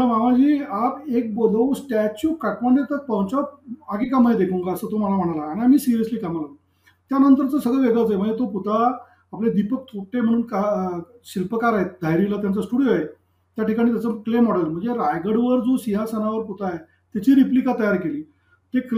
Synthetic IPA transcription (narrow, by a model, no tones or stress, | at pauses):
əmaʋãd͡ʑiːapek̚bolosʈæt͡ɕukaʈmaɳɖet̪ək̚pawt͡ɕɔaɡekaməed̪ekʰũŋɡaəsət̪oməlam̤əɽ̃alaːɽ̃iamiːsiɾijəsliːkamaɡə | t̪janənt̪əɾt͡səsəɡɭəʋeɡɭat͡saem̤əɳd͡zet̪oput̪a | apled̪ipək̚t̪ʰoʈem̤əɽ̃uːnka | ɕilpəkaɾaet̪̚d̪ʱajɾilat̪jãnt͡səsʈuɽijoe | t̪jaʈikaɽ̃it̪jat͡səklemɔɽəllm̤əɳd͡zeɾajɡəɽʋəɾd͡zosiɦasanaʋəɾput̪ae | t̪jat͡ɕiːɾiplikat̪əjaɾkeliː | t̪ek